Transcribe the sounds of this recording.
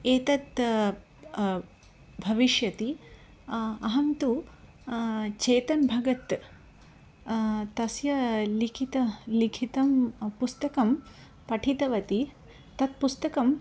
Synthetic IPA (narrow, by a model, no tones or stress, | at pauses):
eːt̪ɐt̪ | bʱɐʋiʃjɐt̪i | ɐɦɐmt̪u | t͡ʃeːt̪ɐnbʱɐɡɐt̪ | t̪ɐsjɐlikʰit̪ɐlikʰit̪ɐmpust̪ɐkɐm | pɐʈʰit̪ɐʋɐt̪i | t̪ɐt̪̚pust̪ɐkɐm